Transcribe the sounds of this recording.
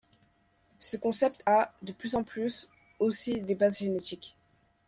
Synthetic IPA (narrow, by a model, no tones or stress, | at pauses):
səkɔ̃sɛpt̪ʰad̪əplyzɑ̃plys | osid̪ebazʒenet̪ik